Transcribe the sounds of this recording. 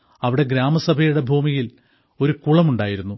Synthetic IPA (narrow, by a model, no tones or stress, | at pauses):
ɐʋiɽe̞ɡɾaːmɐsɐbʱɐjuɽe̞bʱuːmijil | o̞ɾukuɭɐmuɳɖaːjiɾunːu